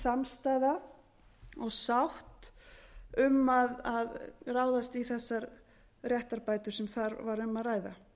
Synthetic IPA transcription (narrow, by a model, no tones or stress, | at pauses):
samst̪aːjða | ɔɣsawht̪ | ʏmaðaðraːwðast̪iθɛsːaɾ | rjɛht̪aɾpaːjt̪ʏɾ̥sɛmθaɾvaɾʏmːaðraːjða̰